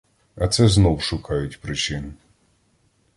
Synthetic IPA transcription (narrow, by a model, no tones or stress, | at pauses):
ɐt̪sɛznɔwʃʊkɑjʊtʲpɾɪt͡ʃɪn